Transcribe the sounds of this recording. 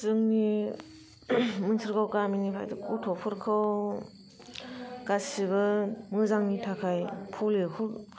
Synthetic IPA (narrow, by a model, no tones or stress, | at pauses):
zɯŋni | mɯŋsʰɯɾɡawkaminipʰa̰jdɯkutʰɔpʰɯɾkʰɯw | ɡasiβɯmɯzaŋnitʰakʰajpʰulehuɾ